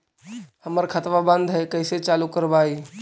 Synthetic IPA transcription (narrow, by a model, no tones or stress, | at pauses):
həməɾkʰət̪ʋabə̃nd̪ʱɦɛkəɪset͡ʃaːlukəɾbaːiː